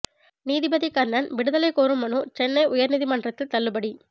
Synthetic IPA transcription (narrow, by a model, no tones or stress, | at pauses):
niːðɪbɐðikɐɾnːɐnʋɪɽɯðɐlɐɪkoːɾɯmːɐnuːt͡ʃɛnːɐɪʔʊjɐɾniːðimɐnɖrɐt̪ːɯt̪ɐɭːɯbɐɽi